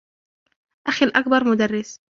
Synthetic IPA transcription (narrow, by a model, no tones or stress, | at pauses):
ʔaxilʔak̚bɑɾˤmʊd̪arːɪs